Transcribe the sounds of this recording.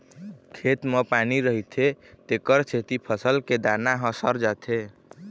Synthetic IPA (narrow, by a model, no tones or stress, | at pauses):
kʰet̪məpaniɾəɦit̪ʰet̪ekəɾt͡ʃʰet̪ipʰəsəlked̪anaɦə̃səɾd͡ʒat̪ʰe